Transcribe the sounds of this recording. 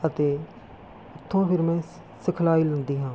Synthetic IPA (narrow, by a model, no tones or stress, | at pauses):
ət̪eː | ʊt̪ʰːõːpʰɪɾmɛ̃ː | sɪkʰlaːiːlənd̪iːɦãː